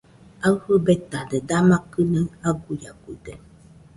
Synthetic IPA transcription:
awhɯbet̪ad̪ed̪amakɯnəŋaɡujaɡud̪e

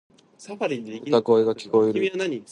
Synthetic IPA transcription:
saaɾiɯt̪ako̞eɡakʲi̥ko̞eɾɯnaɲi

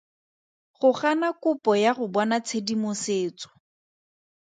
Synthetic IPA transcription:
χʊχanakʊpɔjaχʊbɔnat͡sʰedimʊseːt͡sɔ̥

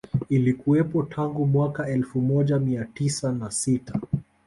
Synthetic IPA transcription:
ilikuɛpɔtʰaŋɡumwakaɛlfumɔʄamiatisanasita

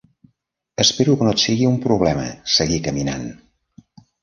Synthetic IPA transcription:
əspeɾukənot̪siɣiumpɾuβ̞lɛmə̰səɣikəmina̰n

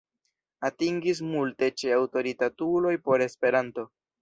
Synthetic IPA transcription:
atiŋɡis̬multe̞t͡ʃe̞awto̞ɾitatulo̞jpo̞ɾe̞spe̞ɾanto̞

